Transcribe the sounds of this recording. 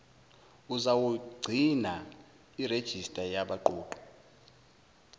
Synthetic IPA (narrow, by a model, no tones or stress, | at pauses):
uzawuɡ͡ǀʱina | ired̥ʒ̥ʱistʼajaɓaǃoːǃɔ̥